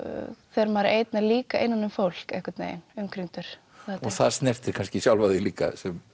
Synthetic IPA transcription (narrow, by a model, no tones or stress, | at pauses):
θɛɾmaːɾʔeːjt̪naliːkaḛjnːanːʏmfowl̥kɛ̰hkat̪nḛjɪ̰nʏmkʰɾiŋt̪ʏɾ̥ | θaɔθaðst̪nɛɾ̥t̪ɪɾ̥kʰanscɪsjawlvaðɪliːka̰sɛm